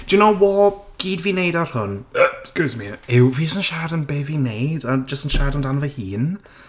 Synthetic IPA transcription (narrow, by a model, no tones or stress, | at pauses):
d̥jənoʊwɔɡ̥iːdvineɪdar̥hʊnəsɡ̥ozmiɪwvisə̃nʃaːdənbeːvinedəd͡ʒəstənʃadə̃ndanəvəhiːn